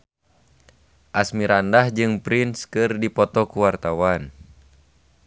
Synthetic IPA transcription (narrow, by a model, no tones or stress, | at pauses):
ʔasmiɾandahd͡ʒɨŋpɾinskɨrdipɔt̪ɔkuwart̪awan